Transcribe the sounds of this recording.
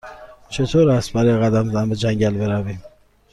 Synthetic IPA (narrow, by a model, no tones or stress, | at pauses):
t͡ʃʰet̪ʰoɾast̪̚baɾejɣad̪amzanbəd͡ʒaŋɡalbeɾavi